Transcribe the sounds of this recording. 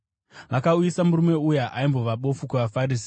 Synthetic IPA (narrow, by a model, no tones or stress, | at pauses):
ʋakaujisamurume̞ujaʔaimbo̞ʋaɓo̞fukuʋafaɾis̬